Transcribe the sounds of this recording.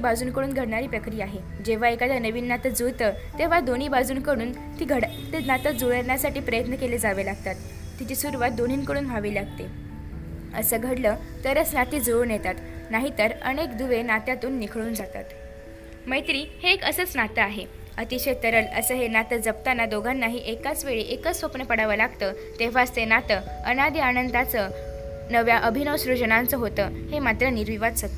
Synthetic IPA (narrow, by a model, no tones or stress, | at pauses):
bad͡zuːnkəɽuːnɡʱəɽɳaɾiːpɾəkɾijaaɦe | d͡ʑeʋ̤aekad̪janəʋiːnːat̪əd͡zut̪ə | t̪eʋ̤ad̪oniːbad͡zuːnkəɽuːn | t̪iːɡʱəɽ | t̪enat̪əd͡zuɭəɾɳjasaʈiːpɾəjət̪nəkeled͡zaʋelaɡ̚t̪at̪ː | it͡ɕisuɾʋat̪̚d̪on̤iːnkəɽuːnɦaʋilaɡ̚t̪e | ə̰səːɡʱəɽləːt̪əɾət͡snat̪iːd͡zonjet̪at̪naɦit̪əɾə̰nekd̪uʋenat̪jat̪uːnːikʰɭuːnd͡zat̪a̰t̪ | məjt̪ɾiːheːkəsət͡snat̪əaɦe | ət̪iɕet̪əɾələ̰səːɦenat̪əd͡zəp̚t̪anːad̪oɡʱanːaɦiːʔekat͡sʋeɭiʔekət͡ssʋopɳəpəɽaʋəlaɡt̪əː | t̪eʋ̤aəst̪enat̪əənad̪ianənd̪at͡sə | nəʋjaʔəbʱinəʋsɾud͡ʑəɳãnt͡səɦot̪əːhemat̪ɾəniɾʋiʋad̪sət̪ːə